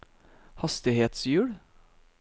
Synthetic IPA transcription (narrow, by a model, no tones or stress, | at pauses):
hɑst̪ɪheːt̪sjʉːɽ